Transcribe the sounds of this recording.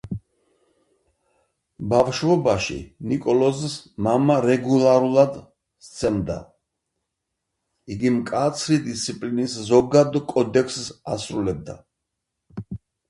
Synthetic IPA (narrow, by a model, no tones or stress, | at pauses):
bafʃvɔbaʃḭnikʼɔlɔzsmamaɾɛɡulˠaɾulˠad̪ | st̪sʰɛmd̪a̰ | iɡimkʼat̪sʰɾid̪ist̪sʰipʼliniszɔɡad̪kʼɔd̪ɛkʰssa̰sɾulɛb̚d̪a̰